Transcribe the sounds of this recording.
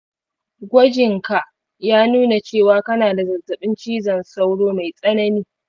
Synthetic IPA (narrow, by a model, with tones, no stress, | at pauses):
ɡʷɐ˦d͡ʒɪ˨ŋka˨ʔ | jaː˦nuː˦na˨t͡ʃeː˦˨waː˦kɐ˦naː˨da˨zɐ˨rzɐ˨ɓɪ˦nt͡ʃiː˦zɐ˨nsa˦wɽoː˦ma˨jsʼɐ˦nɐ˦niː˦